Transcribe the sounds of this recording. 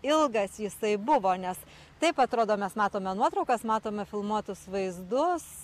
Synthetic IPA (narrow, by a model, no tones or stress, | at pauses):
ɪlˠɡɐsjɪsɐɪbʊʋoːnʲɛs | t̪ɐɪpɐt̪ɾoːd̪oːmʲɛsmɑːt̪oːmʲɛnuɔt̪ɾɐʊkɐsmɑːt̪oːmʲɛfʲɪlˠmuɔt̪ʊsʋɐɪzd̪ʊs